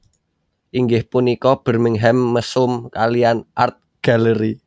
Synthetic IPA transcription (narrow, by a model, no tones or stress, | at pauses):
ʔiŋɡɪhpunikɔb̥ə̤rmɪŋɦɛmːəsʊmkalijanʔa̰rt̪̚ɡ̥a̤ləɾi